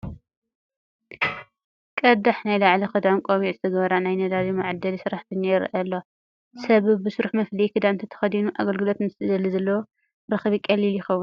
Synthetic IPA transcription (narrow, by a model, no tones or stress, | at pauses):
kʼɐd̪aħnajlaʕlixɨd̪amkʼoβiʔzɨt̪ʰɐɡɐβɐɾanajnɐd̪aɾimaʕd̪ɐlisɨɾaħt̪ʰɨnaɛɾ̰ʔɐlːo | sɐβbɨsuɾuħmɐflikʰɨd̪amt̪ʰɐt̪ʰɐ̥xɐd̪inuʔaɡɐlɡɨlo̞t̪nɨst̪ɨd̪ɐlizɐlːɐwo | ɾɐxβikʼɐliljɪxɐwːu